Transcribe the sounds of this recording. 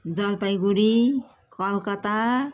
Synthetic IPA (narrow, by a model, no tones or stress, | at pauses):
d͡zʌlpajɡuɾi | kʌlkʌt̪a